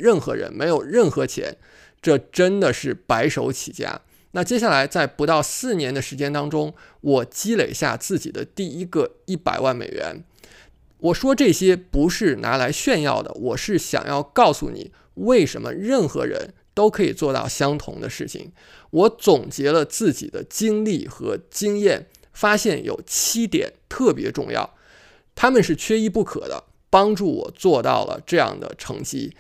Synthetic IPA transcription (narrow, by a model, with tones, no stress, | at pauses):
ɻə˥˩nxɤ̰˧˥ɻə̰˧˥nme˧˥ɪjo˨˩ʊɻə˥˩nxɤ˧˥t͡ɕʰjɛ̰˧˥n | ʈ͡ʂɤ˥˩ʈ͡ʂə˥nd̪ə˨ʂɻ̩˥˩pa˧˥ɪʂo˧˥ʊt͡ɕʰḭ˨˩t͡ɕja̰˥ | na˥˩t͡ɕjɛ˥ɕ̬ja˥˩la˧˥ɪt͡sa˥˩ɪpu˧˥t̪ɑ˥˧ʊsɹ̩˥˩njɛ˧˥nd̪ə˧ʂɻ̩˧˥t͡ɕjɛ˥nt̪ɑ˥ŋʈ͡ʂʊ˥ŋ | wɔ˨˩t͡ɕi˥le˨˩ɪɕja̰˥˧t͡sɹ̩˥˩t͡ɕi˨˩d̪ə̰˦t̪i˥˩i˥ɡə˧i˥˩pa̰˨˩ɪwa˥˩nmḛ˨˩ɪɥɛ̰˧˥n | wɔ˨˩ʂwɔ˥ʈ͡ʂɤ˥˩ɕjɛ˥pu˧˥ʂɻ̩˥˩na̰˧˥la˧˥ɪɕɥɛ˥˧njɑ̰˥˩ʊd̪ə̰˩wɔ˨˩ʂɻ̩˥˩ɕjɑ̰˨˩ŋjɑ̰˥˧ʊkɑ˥˩ʊsṵ˥˩nḭ˨˩˦ | we˥˩ɪʂə˧˥nmə̰˧ɻə˥˩nxɤ̰˧˥ɻə̰˧˥n | t̪o˥ʊkʰɤ˧˥i˨˩t͡swɔ˥˧t̪ɑ̰˥˩ʊɕjɑ˥ŋt̪ʰʊ̰˧˥ŋd̪ə̰˧ʂɻ̩˥˩t͡ɕʰḭ˨˩ŋ | wɔ˧˥t͡sʊ˨˩ŋt͡ɕjɛ˧˥lə˧t͡sɹ̩˥˩t͡ɕḭ˨˩d̪ə˦t͡ɕi˥ŋli˥˩xɤ˧˥t͡ɕi˥ŋjɛ˥˩n | fa˥ɕjɛ˥˩njo̰˨˩ʊt͡ɕʰi˥t̪jɛ̰˨˩˦nt̪ʰɤ˥˩pjɛ˧˥ʈ͡ʂʊ˥˧ŋjɑ̰˥˩ʊ | t̪ʰa˥mə˨nʂɻ̩˥˩t͡ɕʰɥɛ˥i˥˧pu˥˩kʰɤ̰˨˩d̪ə̰˦ | pɑ˥ŋʈ͡ʂu˥˩wɔ̰˨˩t͡swɔ˥˧t̪ɑ̰˥˩ʊlə̰˩ʈ͡ʂɤ˥˧jɑ̰˥˩ŋd̪ə̰˩ʈ͡ʂʰɤ̰˧˥ŋt͡ɕi˥